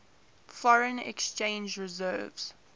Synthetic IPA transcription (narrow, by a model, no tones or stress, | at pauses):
fɔɹə̃nɛ̰kst͡ʃẽɪ̃nd͡ʒɹɪzɜːvz̥